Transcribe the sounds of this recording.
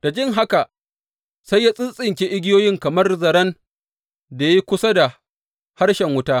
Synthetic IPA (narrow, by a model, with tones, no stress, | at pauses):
d̥a˨d͡ʒɪ˦˨ŋɦa˦ka˨ | sa˦jːaː˦sʼɪ˦nsʼɪ˨ŋkʲe˦ʔɪ˦ɡʲɪ˦joː˦jɪ˦ŋkɐ˨mɐ˦rzɐ˨ɾɐ˦n | da˨ji˦kʷʊ˦sa˦da˨ | ha˦rʃɛ˨ŋwʊ˦taː˦